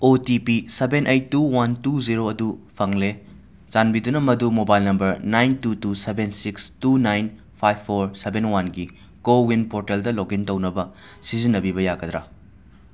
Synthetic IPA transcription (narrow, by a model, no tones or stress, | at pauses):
otipisebenʔejtːuwantuziɾoɐdupʰɐŋle | zanbidunɐmɐdumobajlnɐmbɐɾnajntutusebensikstunajn | pʰajbʰːoɾsebenwanɡi | kowinpoɾteldɐloɡintɐwnɐbɐ | sizinːɐbibɐjaɡɐd̪ɾa